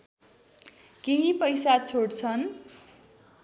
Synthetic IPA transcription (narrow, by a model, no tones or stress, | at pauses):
keɦipʌjsat͡sʰoɽt͡sʰʌn